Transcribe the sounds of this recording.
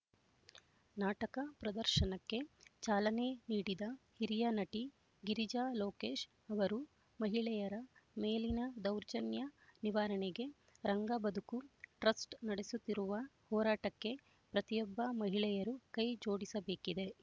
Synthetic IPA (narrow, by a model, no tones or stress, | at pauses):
naːʈɐkɐpɾɐd̪ɐɾʃɐnɐkːe̞t͡ʃaːlɐne̞niːɽid̪ɐhiɾijɐnɐʈi | ɡiɾid͡ʒaːloːkeːʃ | ɐʋɐɾu | mɐɦiɭɛjɐɾɐmeːlinɐd̪ɐwɾd͡ʒɐnjɐniʋaːɾɐɳeɡe̞ | ɾɐŋɡɐbɐd̪ukuʈɾɐsʈnɐɽesut̪ːiɾuʋɐhɔːɾaːʈɐkːe̞ | pɾɐt̪ijɔbːɐmɐɦiɭɛjɐɾukɐjd͡ʒo̞ːɽisɐbe̞ːkid̪e̞